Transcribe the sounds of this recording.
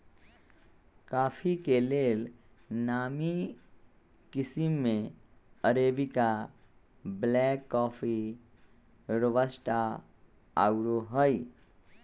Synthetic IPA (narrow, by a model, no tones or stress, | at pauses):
kaːfʰikeleːl | naːmi | kɪsimːẽəɾeːbika | blɛːkːɔːfʰi | ɾəʋəsʈa | a̰ːuɾoɦəi